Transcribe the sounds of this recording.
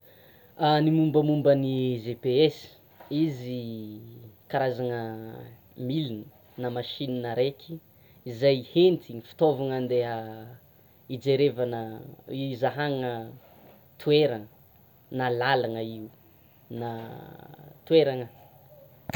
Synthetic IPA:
animumbəmumbənizepees | izi | kaɾazaŋə | milinə̥ | namaʃininaɾekʲʰi̥ | izajhent̪iŋifi̥t̪ovaŋand̪eɦə | id͡ʒeɾevanə | zaɦaŋə | t̪ʰueɾaŋə | nalalaŋəiu | na | t̪ueɾaŋə

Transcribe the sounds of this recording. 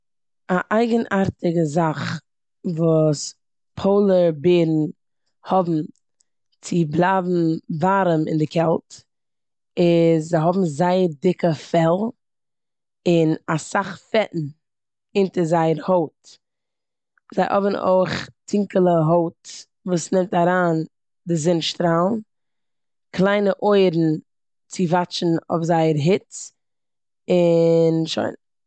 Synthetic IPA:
aʔaɪɡənʔaɾtɪɡəzaχ | vuːs | pʰoʊlˠəɾbeɪɾn̩ | hɔbm̩ | t͡sɪblˠaːbm̩vaɾəmɪ̰ndɪkʰɛlˠt | ɪzzaɪɦɔbm̩zaɪəɾdɪkəfɛlˠ | ɪnasaχfɛʔn̩ | ɪntəzaɪəɾhoʊt | zaɪʔɔ̰vənʔo̰ɪχtʰɪŋkəlˠəɦoʊt | vuːsnɛmtaɾaːn | dɪzɪnʃtɾaːlˠn | kʰlˠaɪnəʔɔɪɾn̩ | t͡sɪvat͡ʃn̩ɔ̰fzaɪəɾɦɪt͡s | ɪnʃo̰ɪn

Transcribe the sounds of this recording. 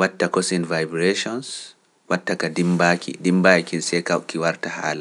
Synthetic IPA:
watːakɔsinvajbɾeʃɔns | watːakadimbakʰḭdimbajikinsɛkawkːiwaɾtahaːla

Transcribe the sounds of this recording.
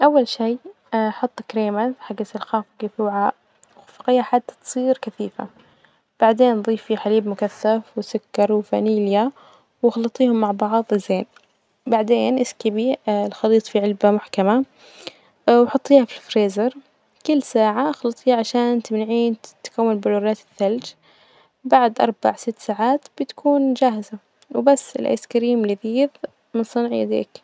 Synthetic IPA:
ʔawːalʃijː | ħɑt̪ˤːkɾeːmaθħaɡːasɪlxaːfɪɡɪθuːʕa | wfɑqijaħad̪ːat̪sˤiːɾkaθiːfa̰ | b̥aʕd̪eːnðˤiːfiħaliːbmʊkaθːafwɪsʊkːɑɾˤwɪfaniːlja | wɑxɑlɨt̪ˤiːhʊmːaʕbɑʕðˤʔɪzeːn | baʕd̪eːnʔɪskɪbilxɑliːt̪ˤfiʕɪlbamʊħkama | wħʊt̪ˤːiːhafilfɾeːzɑɾˤ | kɪlːsaːʕaʔxɑlɑt̪ˤiːʕaʃaːnt̪ɪmnaʕiːnt̪kawːalbʊluːɾaːt̪ɪθːald͡ʒ | baʕd̪ʔɑɾˤba̰ʕsɪt̪ːsaːʕaːt̪b̥ɪt̪kʰuːnd͡ʒaːɦɪza | wbasːɪ̰lʔa̰ːskaɾiːmlɪðiːð | mɪnsˤɨnʕja̰d̪ḛːk

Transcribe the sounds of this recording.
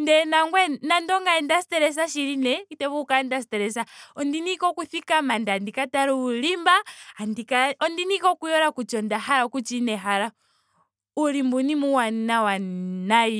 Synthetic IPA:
ndɛnaŋɡwɛnandɔŋɡaɛndasi̥tɛɾɛs̬aʃiɾinɛkitɛβukaɛndas̬itɛɾɛs̬aɔndinikɔkuθikamandandikataɾuulimbaandikaɔndinikɔkujɔɾakut͡ʃɔndahaɾakut͡ʃinɛɦaɾa | ulimbunimuwanawanai

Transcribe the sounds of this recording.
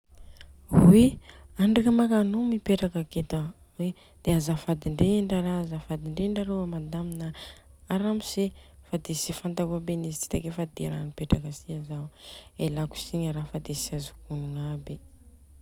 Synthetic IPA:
wiaɳɖ͡ʐakəmakanumipeʈ͡ʂakəket̪ə | we | d̪̥eazafad̪iɳɖ͡ʐeɳɖ͡ʐaɾazafad̪iɳɖ͡ʐeɳɖ͡ʐaɾoamad̪aminəaɾamisefad̪esifant̪akabenizi̥t͡si̥t̪akefad̪eɾanipeʈ͡ʂakəsiazawelaku̥siɲəɾafad̪esiazukunuŋabi

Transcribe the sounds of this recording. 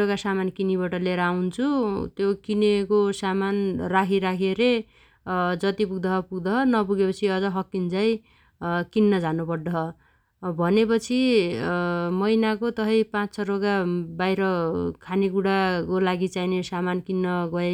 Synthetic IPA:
oɡasamankinibʌʈʌleɾawnt͡sʰut̪jokinekosamanrakʰiɾakʰeɾe | d͡zʌt̪ipuɡ̚d̪ʌɦʌpuɡd̪ʌɦʌnʌpuɡepʌt͡sʰiʌd͡zʌɦʌkːind͡zʌj | kinːʌd͡zanupʌrd̪ʌɦʌ | bʱʌnepʌt͡sʰi | mʌjnakot̪ʌɦʌjpãt͡st͡sʰʌɾoɡabajɾʌkʰaniɡuɽakolaɡit͡sainesamankinːʌɡʌe

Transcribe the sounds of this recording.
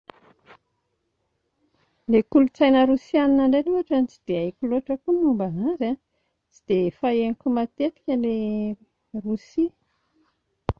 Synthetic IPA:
lekulut͡sajnəɾusianinaɳɖ͡ʐeluɦaʈ͡ʂanit͡sid̪eajkuluaʈ͡ʂəkunumbanaɾa | t͡sid̪efaenikumat̪et̪i̥kʲəle | rusi

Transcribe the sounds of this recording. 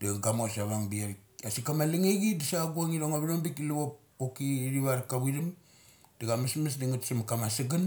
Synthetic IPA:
d̥iɡaɡamosaβaŋbiaβikasikamaliŋeɡidisaɡuaŋiloŋaβiloŋbikluβopː | okiɾiβaɾkaβilim | daɡamasmas̬diŋutsimkamasaɡan

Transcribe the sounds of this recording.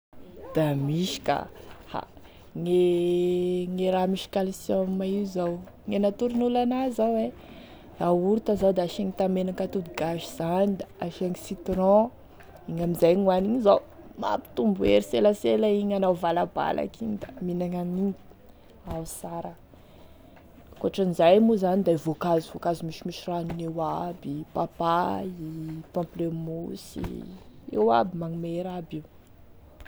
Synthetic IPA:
d̪̥amiʃi̥ka̰ha̰ | ŋe | ŋeɾamiʃi̥kalisammaizaw | ŋenat̪uɾunulanazawe | auɾut̪azawd̪aaʃaŋit̪amenakat̪ud̪uɡaʒiz̥anid̪aaʃaŋisit̪ɾɔ̃ | iɲamizajŋwaniɲizaw | ma̰pi̥t̪umbueɾiselaselaiɲanawvalaba̰lʔa̰kʰiɲd̪aminaŋaniɲ | awsaɾə | koaʈ͡ʂanizajmuzanid̪aivokazivokazimiʃimiʃiranunewabipapaipɔ̃mplemusḭewabimaŋumeɾabiw

